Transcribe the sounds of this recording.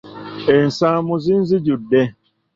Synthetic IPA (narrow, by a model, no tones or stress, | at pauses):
en̩sãmuzin̩zid͡ʒudɛ